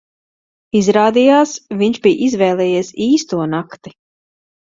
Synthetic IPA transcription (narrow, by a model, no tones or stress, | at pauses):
izɾaːd̪ijaːsviɲʃbijʔizvɛːlˠɛːjɛɛsiːst̪uɔnakt̪i